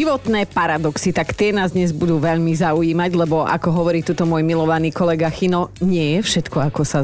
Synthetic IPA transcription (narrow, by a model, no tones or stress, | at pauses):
iʋɔt̪nɛːpaɾad̪ɔksit̪akt̪ɪɛnaːzd̪ɲɛzbud̪uːʋɛʎmizauiːmaɟlɛbɔʔa̰kɔɦɔʋɔɾiːt̪ut̪ɔmʊɔjmilɔʋaniːkɔlɛɡaxinɔɲɪɛjɛfʃɛt̪kɔakɔsa